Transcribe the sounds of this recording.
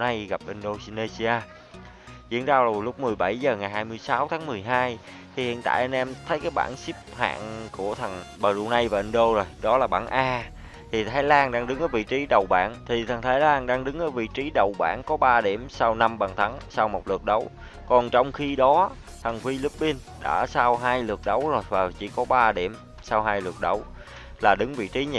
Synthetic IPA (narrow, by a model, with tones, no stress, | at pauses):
na˧jɣa˨˩p̚ʔï˧n̟ɗo˧si˧ne˧si˧aː˧ | zḭ˧˥ənzaː˧wzo˨˩jlʊ˦˥k͡p̚mɨ˨˩əjɓa˧˩jzəː˨˩ŋa˨˩jhaː˧jmɨ˧jsa˨˦wt̪ʰaː˨˦ŋmɨ˨˩əjɦaː˧j | t̪ʰi˨˩hḭ˧˨ənt̪a̰ː˧˨jʔa˧nʔɛ˧mt̪ʰə˨˦jkaː˨˦jɓa̰ː˧˩˨nsi˦˥p̚ha̰ː˧˨nku˧˩ət̪ʰə˨˩ŋɓəː˨˩zu˧na˧jvaː˨˩ʔi˧n̟ɗo˧zo˨˩jɗɔ˨˦laː˨˩ɓa̰ː˧˩nʔaː˧ | t̪ʰi˨˩t̪ʰaː˨˦jlaː˧nɗaː˧ŋɗɨ˨˦ŋʔəː˨˦jvḭ˧˨t͡ɕi˨˦ɗə˨˩wɓa̰ː˧˩nt̪ʰi˨˩t̪ʰə˨˩ŋt̪ʰaː˨˦jlaː˧nɗaː˧ŋɗɨ˨˦ŋʔəː˨˦jvḭ˧˨t͡ɕi˨˦ɗə˨˩wɓa̰ː˧˩˨nkɔ˨˦ɓaː˧ɗi˧˩əmsaː˧wna˧mɓaː˨˩ŋt̪ʰa˨˦ŋsaː˧wmo˨˩t̚lɨ˨˩ək̚ɗə˨˦w | kɔ˨˩nt͡ɕɔ˧wŋ͡mxi˧ɗɔ˨˦ | t̪ʰə˨˩ŋfi˧li˦˥p̚ːi˧nɗa̰ː˧˩saː˧wɦaː˧jlɨ˨˩ək̚ɗə˨˦wzo˨˩jvaː˨˩t͡ɕḭ˧˩˦kɔ˨˦ɓaː˧ɗi˧˩əm | saː˧wɦaː˧jlɨ˨˩ək̚ɗə˨˦w | laː˨˩ɗɨ˨˦ŋvḭ˧˨t͡ɕi˨˦ɲi˧˩